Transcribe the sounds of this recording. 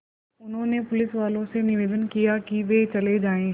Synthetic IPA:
ʊnɦõnepʊlɪsʋaːlõsenɪʋeːd̪ənkijakiʋet͡ɕɐled͡ʑaːẽ

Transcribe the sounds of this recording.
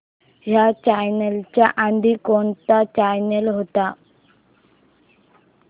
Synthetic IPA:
ɦjat͡ɕajnelt͡ɕjaʔand̪ʱikoɳt̪at͡ɕajnelɦot̪a

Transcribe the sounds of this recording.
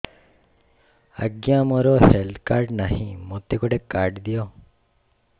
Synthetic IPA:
ə̰ɡjamoɾɔhelt̪ʰkaɾɖnaɦĩmot̪ekɔɖekaɾɖd̪ijo

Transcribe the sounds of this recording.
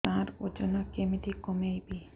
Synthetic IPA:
ãɾod͡ʒɔnɔkemit̪ikomejbi

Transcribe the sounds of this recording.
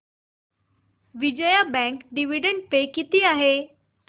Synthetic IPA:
ʋid͡ʑəjabɛ̃ŋkɖiʋiɖə̃ɳʈ̚pekit̪iaɦe

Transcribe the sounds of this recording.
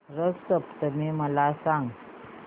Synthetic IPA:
ɾəssəpt̪əmiməlasãŋɡ

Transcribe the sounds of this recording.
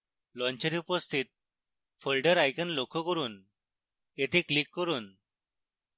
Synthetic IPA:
lɔ̃ɲt͡ɕəɾiupəst̪ʰiːt̪̚ | fəlɖəɾajkənlokʰːəkəɾuːn | jet̪ʰeklikːəɾuːn

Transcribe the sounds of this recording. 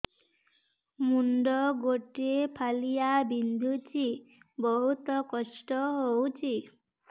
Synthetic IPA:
munɖɔɡoʈepʰalijabind̪ʱut͡ʃibɔɦut̪ɔkɔsʈɔɦowt͡ʃʰi

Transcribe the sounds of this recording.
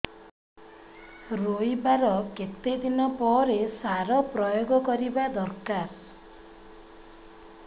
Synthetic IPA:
ɾojbaɾɔket̪ed̪inɔpɔɾesaɾɔpɾɔjoɡɔkɔɾibad̪ɔɾkaɾ

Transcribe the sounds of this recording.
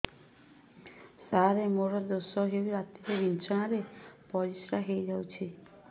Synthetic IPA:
saɾemoɾɔd̪osɔɦeɾɾat̪iɾebint͡ʃaɽ̃aɾepɔd͡ʒisɾaɦejd͡ʒawt͡ʃʰi

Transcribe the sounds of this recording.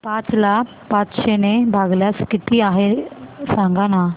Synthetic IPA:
pãt͡sla | pãt͡sʃenebʱaɡljaskit̪iaɦesãŋɡana

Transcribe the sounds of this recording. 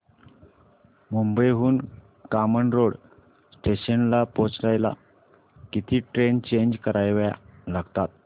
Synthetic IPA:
mumbəjɦuːn | kaməɳɾoɽ | sʈeɕənlapot͡sɾajla̰ | kit̪ʰiːʈɾent͡ɕeɲd͡ʑkəɾajʋja̰laɡt̪at̪

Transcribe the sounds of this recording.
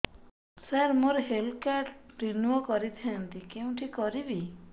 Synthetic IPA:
saɾmoɾɦelkaʈɾinuɔkɔɾit̪ʰiant̪ikeũʈʰikɔɾibi

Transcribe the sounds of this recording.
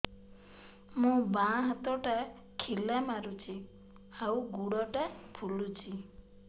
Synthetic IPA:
mũbãɦɔt̪ɔʈa | kʰilamaɾut͡ʃʰi | auɡuɽɔʈapʰulut͡ʃʰi

